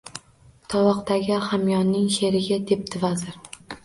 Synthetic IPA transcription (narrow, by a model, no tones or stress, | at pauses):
t̪ʰɒwɒqt̪aɡʲɪχamjɒnːɪŋʃe̞ɾɪɡʲad̪e̞p̚t̪ʰɪvazɪɾ